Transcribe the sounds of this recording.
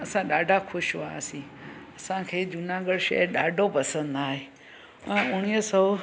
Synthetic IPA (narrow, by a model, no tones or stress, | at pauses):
ɐsãɗaːɖʱakʰʊʃʋaːsĩːɐsãkʰeːd͡ʒʊnaːɡəɽʃə̰əɗaːɖʱopɐsə̃nd̪aːɦeː | ɛ̃ʊɽ̃iɦəsɔ